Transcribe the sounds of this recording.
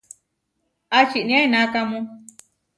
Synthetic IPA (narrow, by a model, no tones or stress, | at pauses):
at͡ʃinĩãinãkamũ